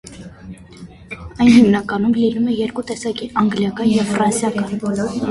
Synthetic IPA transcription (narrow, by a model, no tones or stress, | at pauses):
ɑjnhimnɑkɑnumlinumɛjɛɾkut̪ɛsɑkiʔɑŋɡljɑkɑnjɛvfrɑnsjɑkɑn